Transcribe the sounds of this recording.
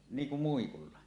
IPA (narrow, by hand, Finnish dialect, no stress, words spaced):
niːŋ kum muikulːɑ